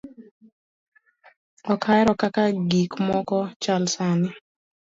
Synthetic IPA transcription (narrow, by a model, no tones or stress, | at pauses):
ɔkʰajɾɔkakaɡikmɔkɔt͡ʃalsanɪ